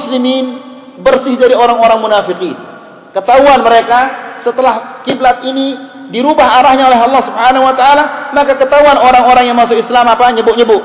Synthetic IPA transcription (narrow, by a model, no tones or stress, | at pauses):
slimin | bərsɪhdaɾioɾaŋoɾaŋmunafiqin | kət̪auanməɾekasət̪əlahkiblat̪̚ini | diɾubaɦaɾahɲaolɛɦɑlːɑhsubhanahuwat̪aːlamakakət̪auanoɾaŋoɾaŋjaŋmasʊkislamapaɲəbʊʔɲəbʊʔ